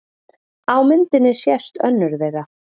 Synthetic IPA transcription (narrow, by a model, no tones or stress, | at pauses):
aːwmɪnt̪ɪnːɪsjɛst̪œ̰nːʏɾðejɣa